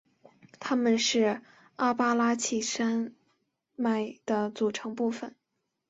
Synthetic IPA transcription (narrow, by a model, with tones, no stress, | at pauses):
t̪ʰa˥mə˨nʂɻ̩˥˩ | a˥pa˥la˥t͡ɕʰi˥˩ʂa˥n | ma˥˩ɪd̪̥ə˧˦t͡su˨˩ʈ͡ʂʰɤ˧˥ŋpu˥˩fə˨˩n